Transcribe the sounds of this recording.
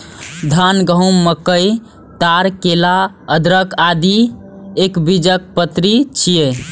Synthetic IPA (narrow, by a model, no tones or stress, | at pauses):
d̪ʱanɡəɦumːəkəj | t̪aɾkela | əd̪ɾəkad̪i | ekbid͡ʒək̚pət̪ɾit͡ʃʰije